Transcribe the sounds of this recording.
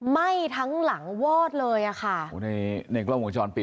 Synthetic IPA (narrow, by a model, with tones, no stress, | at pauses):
ma˥˩jt̪ʰa˦˥ŋla˩˦ŋwɔː˥˩t̪̚lɤː˧jʔa˨˩xʰa˥˩˦na˧jna˧jkla˥˩wu˩˦t͡ɕɔː˧npi˨˩